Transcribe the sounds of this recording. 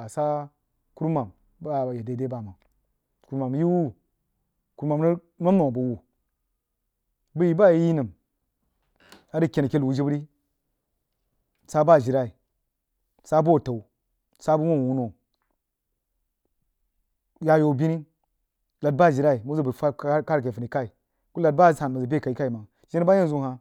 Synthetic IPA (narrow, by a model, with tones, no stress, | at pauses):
a˨sa˦ | ku˦ɾma˨m | ba˦˨je˨de˨˦de˦ba˨ma˨ | ku˦ɾma˨m˦ji˦wu˦ | ku˦ɾma˨m˨nə˦ | ma˦mno˨bu˨wu˨ | bə˦ji˦ba˦jji˦nə˨m | a˦di˦˨kʲe˨n˨kʲe˦lwu˨d͡ʒi˦bɾi˦ | sa˦ba˦˨ʒi˨ɾa˦i˨ | sa˦bo˦˨ta˨u˨ | sa˦bu˦wo˦n˨wu˦no˨ | ja˦jo˨bi˦ni˦ | la˨d̚ba˦˨d͡ʒi˨ɾa˦i˨mu˦za˦bə˨fa˦ka˦ɾke˨fə˨ni˨ka˦i˨ | ku˦la˨d̚ba˦˨a˨n˨a˨za˨be˦˨ka˨i˦ka˦i˨ma˨ | d͡ʒi˦n˦ba˦ja˦n˨zu˦˨ɦa˨